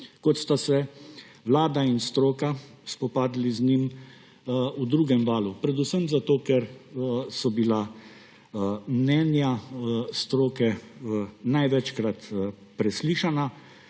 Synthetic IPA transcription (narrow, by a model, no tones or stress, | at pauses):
kɔt̪st̪asɛ | ʋlaːd̪ainst̪ɾoːka | spɔpaːd̪liznim | ud̪ɾuːɡɛmʋaːlupɾɛd̪usəmzat̪oːkɛɾsɔbila | mnɛnjast̪ɾoːkɛ | najʋɛt͡ʃkɾat̪ | pɾɛsliːʃana